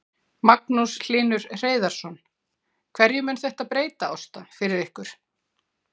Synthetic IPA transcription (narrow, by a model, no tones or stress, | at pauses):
maknusl̥iːnʏɾ̥r̥eːjðaɾ̥sɔn | kʰvɛɾjʏmɛnθɛht̪aðpɾeːjt̪aɔwst̪afɪɾɪɾɪhkʏɾ̥